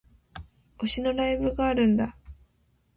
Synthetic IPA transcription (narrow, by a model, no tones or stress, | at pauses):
o̞ɕino̞ɾaibɯɡaːɾɯ̟̃nd̪a